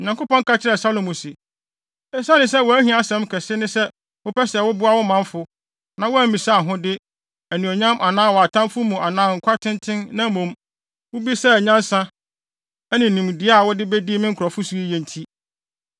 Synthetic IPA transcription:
ɲã˨kʊ˦pɔ̃˦ŋ̩˦kʰa˦t͡ɕʰɪ˦ɾɛ˨sa˦lo˨mũ˨sɪ˨ | ɛ˦sa˦nɪ̃˨s̬ɛ˦wɔ˨æ˦hĩ˦a˨sɛ̃˦mkʰɛ˨sɪ˦nɪ̃˦sɛ˦ | wʊ˦pʰɛ˦sɪ˨ɛ˨wʊ˦bʊ˦a˦wʊ˦mã˦ɱfʊ˦ | nã˨wɔ˦æ˦mĩ˨sa˦a˨ɦʊ̃˦dɪ˦ | æ˨nĩ˨o˨ɲã˦mʔa˨nãː˦˨wɔ˨a˨tʰã˦mfʊ˦mũ˨ʔa˨nãː˨˦ŋ̩˨kʷʰa˦tʰɪ̃˦ntʰɪ̃˦nnã˦mũ˨m | wʊ˦bi˦sɛ˦˨ɲã˦n˦sã˦ | ɛ˦nɪ̃˨nĩ˨m˨dɪ˨˦a˦a˨wʊ˦dɪ˦be˦di˦mɪ̃˦ŋ̩˦kʰʊ˨ɾɔ˨fʊ˦su˦i˦jɛ̃˨n˨tʰi˦

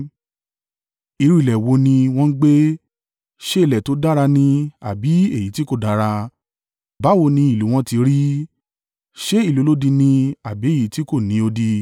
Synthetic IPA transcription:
i˨˧ɾu˦i˨lɛ˨wo˨˧nĩ˧w̃ɔ̃˦n̩˦ɡ͡be˦ | ʃe˦i˦˨lɛ˨to˨˦da˦ɾa˧nĩ˧a̰˨bi˨˦e˦˨ji˨˦ti˦ko˦˨da˨˦ɾa˧ | ba˦wo˧nĩ˧i˦˨lu˨˦w̃ɔ̃˦ti˧ɾi˦ | ʃe˦i˦˨lu˨˦lo˦dĩ˧nĩ˧a˨bi˨˦e˦˨ji˨˦ti˦ko˦˨nĩ˨˦o˧di˧

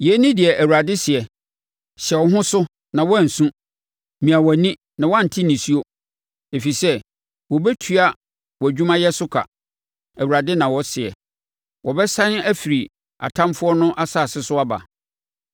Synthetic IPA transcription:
jɛ˨˦nĩ˦dɪ˨ɛ˨ʔæ˨wu˨ɾa˨dɪ˦sɪ˨ɛ˨ | ɕɛ˨ɔ˨˦ɦʊ̃˦sʊ˦ | nã˨wɔ˦˨n̩˨sũ˦˨ | mĩ˨a˨wɔ˨nĩ˦ | nã˨wã˦˨n̩˨tʰi˦nĩ˨si˦o˦ | e˨fi˨sɛ˦ | wɔ˨bɛ˦tʰu˨˦a˨ | wɔ˨æ˨d͡ʑᶣũ˦mã˦jɛ˦sʊ˦kʰa̰˨ | æ˨wu˨ɾa˨dɪ˦nã˨wɔ˦sɪ˨ɛ̰˨ | wɔ˨bɛ˦sã˦næ˦fi˨ɾi˨ | a̰˨tʰã˦mfʊ˦ɔ˦nʊ̃˦ʔa˦saː˦˨sɪ˦sʊ˦a˦ba̰˨

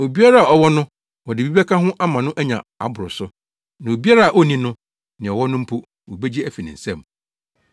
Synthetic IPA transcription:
o˨bi˦a˦ɾa˦a˨ɔ˨wɔ˦nʊ̃˦ | wɔ˨dɪ˨bi˦bɛ˦kʰã˦ɦʊ̃˦ʔa˦mã˨nʊ̃˦ʔæ˦ɲã̰˨a̰˨bʊ˨ɾʊ˨sʊ˦ | nã˨o˨bi˦a˦ɾa˦a˨ʔo˦nĩ˦nʊ̃˦ | nɪ̃˨ɔ˨wɔ˦nʊ̃˦m̩˦pʰu˦ | wo˨be˦d͡ʑi˦æ˦˨fi˨nɪ̰̃˨sɛ̃˦m

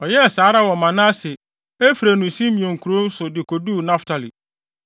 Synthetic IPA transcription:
ɔ˨jɛ˦˨saː˨˦ɾa˦wɔ˨mã˨nã˦sɪ˨ | e˦fi˨ɾa˨nũ˨sĩ˦mĩ˨õ˨ŋ̩˨kʰu˨ɾo˦n̩˦sʊ˨dɪ˨ko˨du˦˨nã˦ftʰa˨lḭ˨

